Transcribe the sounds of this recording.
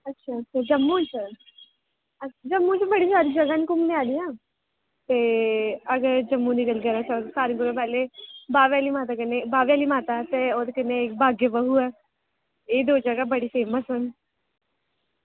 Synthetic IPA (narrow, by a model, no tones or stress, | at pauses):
ɐtːʃʰaɐtːt͡ʃʰad͡ʒɐmːut͡ʃʰə | ɐd͡ʒɐmːũt͡ʃbɐɽisaːɾid͡ʒɐɡanikʊmneaːliãː | t̪eɐɡəɾd͡ʒɐmːunɪkəlɡɐɾasɐsaːɾĩɡʊɾopɛːlebaːʋjaːlimaːt̪̬akɐnebaːʋjaːlimaːt̪at̪eoːt̪kɪnːeeːk̚baːɡjebɐɦuɛ | eːd̪oːd͡ʒɐɡabɐɽifeːməsɐn